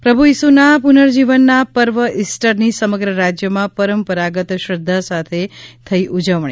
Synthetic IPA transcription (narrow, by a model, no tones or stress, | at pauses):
pɾəbʱujisunapunəɾd͡ʒiʋənːapəɾʋəʔisʈəɾnisəməɡɾəɾad͡ʒjəmãpəɾəmpəɾaɡət̪ʃɾəd̪ʱːasat̪ʰet̪ʰəiʔud͡ʒəʋɳi